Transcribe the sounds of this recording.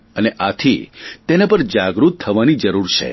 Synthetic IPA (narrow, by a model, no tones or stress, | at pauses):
əneʔat̪ʰit̪enapəɾd͡ʒaɡɾut̪ʰːəʋanid͡ʒəɾuɾt͡ʃʰḛ